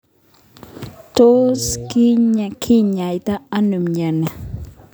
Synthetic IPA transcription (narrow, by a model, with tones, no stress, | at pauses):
t̪oskiɲakʰiɲa˨jt̪a˦a˦nu˨mɲa˨na